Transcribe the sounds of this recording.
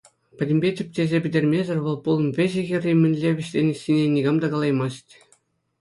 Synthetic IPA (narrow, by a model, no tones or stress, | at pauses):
pʲɘ̆dʲɘ̆mʲbʲetʲɘ̆p̚ʲtʲezʲepʲɘ̆dʲerʲmʲezʲɘ̆rʲʋɤ̆lˠpulˠɤ̆mʋʲeʑɘ̆ɣʲɘ̆rʲimʲɘ̆nʲlʲeʋʲɘ̆ɕtʲenʲɘ̆sʲinʲenʲiɡɑmd̪ɑɡɑlˠɑjmɑstʲ